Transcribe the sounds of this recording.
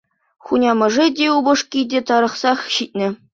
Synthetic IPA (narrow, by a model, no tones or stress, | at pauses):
χunʲɑmɤ̆ʐedʲeubɤ̆ʂkʲidʲet̪ɑɾɤ̆χsɑχɕit̚ʲnʲɘ̆